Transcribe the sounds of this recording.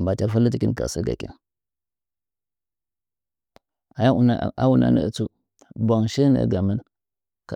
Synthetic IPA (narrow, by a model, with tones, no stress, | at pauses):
ba˨ta˦fa˦lə˦t̬i˨˦ki˦ka̰˨sə˦ɡa̰˨kḭ˦n | a˨ja˦u˨n˦˨a˦wu˦na̰˨nə̰˨ə˨t͡su˦ | bʷa˨ŋʃə˦nə̰˨ɡa˨mə˦n | k